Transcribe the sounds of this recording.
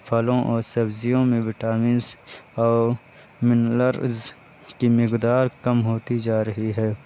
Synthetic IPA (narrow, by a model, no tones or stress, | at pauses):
pʰɐlõʔɔːɾsɐbzijõmẽʋɪʈaːmĩːnzɔː | mɪnləɾz | kimɪqd̪aːɾkɐmɦoːt̪id͡ʒaːɾɐɦiɦɛː